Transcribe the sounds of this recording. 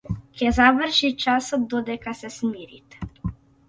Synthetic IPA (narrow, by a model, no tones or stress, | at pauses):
kɛzavərʃit͡ʃasɔt̪̚d̪ɔd̪ɛkasɛsmiɾḭt̪ɛ̥